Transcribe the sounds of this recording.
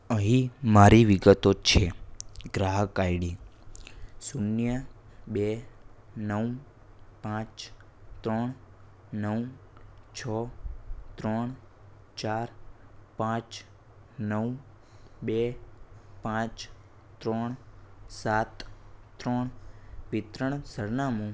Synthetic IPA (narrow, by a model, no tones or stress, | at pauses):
əɦĩmaɾiʋiɡət̪ot͡ʃʰeɡɾaɦəkajɽi | sunjə | be | nəw | pãt͡ʃ | t̪ɾɔɳ | nəw | t͡ʃʰɔ | t̪ɾɔɳ̃ | t͡ʃaɾpãt͡ʃ | nəw | be | pãt͡ʃ | t̪ɾɔɳ̃sat̪ːɾɔɳʋɪt̪ɾəɳ̃səɾnamũ